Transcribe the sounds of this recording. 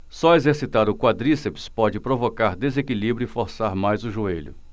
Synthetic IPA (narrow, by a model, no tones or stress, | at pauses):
sɔezeɾsit̪aɾʊkwad̪ɾisepi̥spɔd͡ʒɪpɾovokaɾd̪ezekilibɾjʊifoɾsaɾmajzʊʒueʎʊ̰